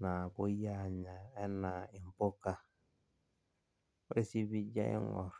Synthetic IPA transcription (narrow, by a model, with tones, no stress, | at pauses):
na˨bʊ˦ja˦˨ɲa˨ɛ˦na˨ɪ˨m̩˨po˦ka˦ | o˦ɾi˦si˦βi˦d͡ʒa̰˦ḭ˦ŋɔ̰˨ɾ